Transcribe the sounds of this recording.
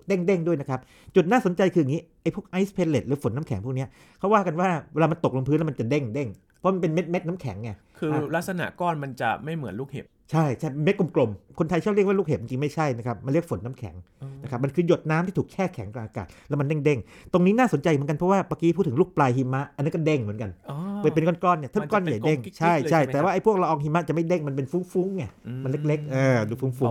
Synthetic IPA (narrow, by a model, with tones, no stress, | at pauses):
de˥˩ŋde˥˩ŋdu˥˩əjna˦kʰa˦˥p̚ | t͡ɕu˨˩t̪̚naː˥˩so˩˦nt͡ɕa˧jkʰɯ˧˨ŋiː˦˥ʔa˧jpʰu˥ək̚ʔa˦˥jspʰe˧le˨˩t̪̚lɯː˩˦fo˩˦nːaː˦˥mkʰɛ˩˦pʰuː˥˩k̚ni˦˥ɐ | kʰa˦˥waː˥˩ka˧nwaː˥˩weː˧laː˧ma˧nt̪o˨˩k̚lo˧ŋmpʰɯ˦˥nlɛ˦˥ma˧nt͡ɕa˨˩de˥˩ŋde˥˩ŋ | pʰɔ˦˥ma˧npe˧nme˦˥t̪̚me˦˥t̪̚na˦˥mkʰɛ̰˩˦ŋːa˧˩kʰɯː˧la˦˥k̪̚sa˧na̰˨˩ʔkɔː˥˩nma˧nt͡ɕa̰˨˩ma˥˩jmɯ˩˦ənlu˥˩k̚hḛ˨˩p̚t͡ɕʰa˥˩jt͡ɕʰa˥˩jpnme˦˥t̪̚ku˧mklo˧mkʰo˧nt̪ʰjt͡ɕʰa˥˩ɾi˥˩əwaː˥luː˥˩k̚e˨˩i˧ŋt͡ɕi˧ŋma˥˩jt͡ɕʰa˥˩jna˦˥kʰa˦˥p̚ma˧nli˥˩əkfo˩˦nːa˦˥mkʰɛ̰˩˦ŋ | na˦˥kʰa˦˥p̚ma˧nkʰɯː˧jo˨˩t̪̚naː˦˥mʰiː˥˩uː˨˩k̚t͡ɕʰɛː˥˩kʰɛ̰˨˩˦ŋka˧˩ʔaː˧ka̰ː˨˩t̪̚lɛ˦˥m˧nde˥˩ŋde˥˩ŋ | t̪o˧ŋniː˦˥naː˥˩so˩˦nt͡ɕa˧jka˧npʰɾɔ˦˥waː˥˩paː˧ki˦˥pʰu˥˩t̪ʰːɯ˩˦luː˥˩k̚plaː˧jɦi˧ma˦˥ʔaː˧nːa˦˥kɔ˥˩de˥˩ŋmɯ˩˦nka˧nː˧ɤː˧˩pe˧nkɔː˥˩nkɔː˥˩nːi˥˩t̪ʰːkːɔaː˥˩nja˨˩jde˥˩ŋt͡ɕʰa˦˥˩jʰa˥˩t̪ɛː˨˩waː˥ʔa˧˩jpʰu˥˩ək̚la˧ʔɔː˧ŋhi˧mːa˦˥t͡ɕa˨˩ma˥˩jde˥˩ŋma˧npe˧nfuː˦˥ŋfu˦˥ŋːa˧˩ma˧le˦˥k̚le˦˥k̚ʔɤː˨˧˩duː˧˩fuː˦˥ŋfu˦˥ŋ